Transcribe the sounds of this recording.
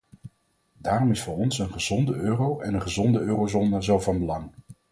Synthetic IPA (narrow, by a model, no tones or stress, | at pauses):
daːrɔmɪsfʊːɹɔnsənχəzɔndəøːrowɛnənχəzɔndəøːrowzoːnəzowvɑnbəlɑŋ